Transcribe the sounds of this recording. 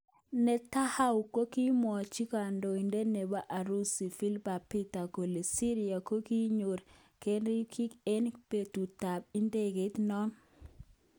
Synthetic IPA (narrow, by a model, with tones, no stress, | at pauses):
nɛ˨ta˦ha˦wko˦ki˦mɔ˨t͡ʃi˦ka˨ndo˨i˨nde˦ne˨ba˦ʔa˨ɾu˦si˨fi˦lba˨pi˦ta˨ko˨le˨si˦ɾi˨a˨ko˦ki˦ɲo˨ɾ | ke˦nɾi˦kʰi˦ke˦npe˨tu˨ta˨b̚i˦nde˦ɡe˨tnɔ˦n